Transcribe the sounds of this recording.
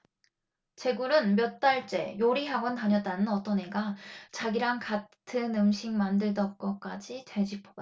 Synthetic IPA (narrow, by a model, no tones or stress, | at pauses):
t͡ɕe̞ɡuɾɯnmjʌt̚t͈aɭt͡ɕ͈e̞̰joɾiɦaɡʌntaɲʌt͈anɯnʌt͈ʌne̞ɡat͡ɕaɡiɾaŋkatʰɯnɯmɕʰiŋmandɯɭdʌk͈ʌk͈ad͡ʑitwe̞d͡ʑipʰoɡ